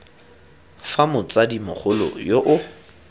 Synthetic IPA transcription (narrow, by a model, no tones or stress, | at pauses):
famʊt͡sadimʊχʰʊlɔ̰joʔʊ